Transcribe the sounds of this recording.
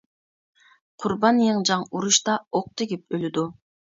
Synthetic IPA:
qʰʊɾbɑnjeŋd͡ʒɑɴuɾuʃt̪ɑoq̚t̪eɡip̚ølyd̪u

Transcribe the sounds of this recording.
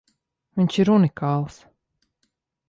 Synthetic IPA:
viɲʃiɾunikʰɑːlˠs

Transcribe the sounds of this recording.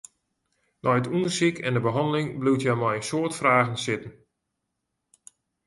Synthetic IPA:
nɔjətʰundərsikʰɛ̰ndəbəɦɑndəlɪŋbluwtʰjamɔjnsoətfraːɣənsɪtən̩

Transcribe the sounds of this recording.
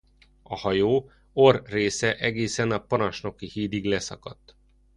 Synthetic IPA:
ɒhɒjoː | o̞rːeːsɛʔɛɡeːsɛnɒpɒnɒʃno̞kihiːd̪iɡlɛsɒ̰kɒt̪ː

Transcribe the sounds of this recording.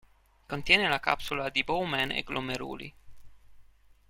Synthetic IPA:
kont̪jɛːnelaka̰psulad̪ibowmɛnḛɡlʔomeɾṵːlḭ

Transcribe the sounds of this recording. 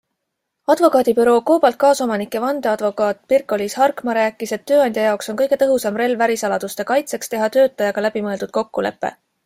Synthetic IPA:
ɑd̪̥vo̞kɑːd̪̥ʲipyɾo̞ːko̞ːb̥ɑlt̪̚kɑːso̞mɑnikːˑe̞vɑnd̪̥eɑd̪vo̞kˑɑːt̪̚ˑpirkːˑo̞lishɑrkmɑɾæːkːˑiset̪ːø̞ːɑnd̪jɑjɑokso̞nkɤ̞jɡ̥e̞t̪ɤɦusɑmre̞lvæɾisɑlɑd̪̥ust̪e̞kɑjt̪se̞kst̪e̞ɦɑt̪ø̞ːt̪ːˑɑjɑɡ̥ɑlæb̥imɤeld̪ud̪̥̚ko̞kːule̞̰pːe̞̰

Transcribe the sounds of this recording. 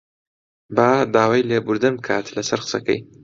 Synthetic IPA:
baːd̪aːwaːjlebuɾd̪ɨnbɨkʰa̰ːt̪lɐsɐɾqɨ̥sɐ̰kɐ̰j

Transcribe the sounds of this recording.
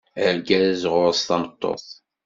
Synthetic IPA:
əɾɡæðzʁʊɾəsθɑnət̪ˤːo̰θ

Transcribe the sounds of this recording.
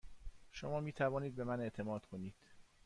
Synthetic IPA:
ʃomɒːmiːt̪ʰævɒːniːd̪̚be̞mæne̞ʔt̪ʰe̞mɒːd̪̥kʰo̞niːd̪̥

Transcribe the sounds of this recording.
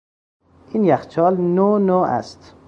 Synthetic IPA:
ʔinjæxt͡ʃʰɒːlnonoːʔæ̰st̪

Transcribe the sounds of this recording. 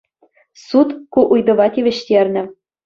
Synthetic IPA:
sut̪kuʔujd̪ɤ̆βɑt̪ʲiβʲɘ̆ɕt̪ʲerʲnʲɘ̆

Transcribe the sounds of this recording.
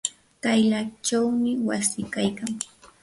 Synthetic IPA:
t̪ajlat͡ʃawmɪwasɪkajkaŋ

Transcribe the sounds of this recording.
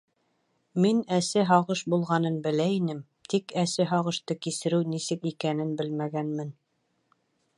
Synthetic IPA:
minæsɘɦɑʁɤʃbulˠʁɑnɤnbɘ̆læinɘm | t̪ʰikæsɘɦɑʁɤ̆ʃt̪ɤkisɘ̆ɾɘwnisɘkikænɘnbɘlmæɡænmɘn

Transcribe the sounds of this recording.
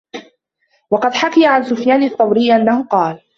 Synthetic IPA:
wɑqɑd̪ħakajaʕansʊfjaːnɑt̪ˤːɑwɾɪjːʔanːahʊqɑːl

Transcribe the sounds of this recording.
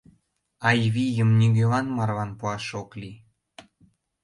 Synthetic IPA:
ɑjβijəmnʲiɡøβɑnmɑrβɑnpuɑʃokli

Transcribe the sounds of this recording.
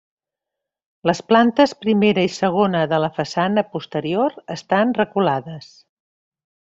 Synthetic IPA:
ləsplant̪əspɾimeɾəisəɣ̞onəðələfəsanəpust̪əɾioɾəst̪anrəkulaðəs

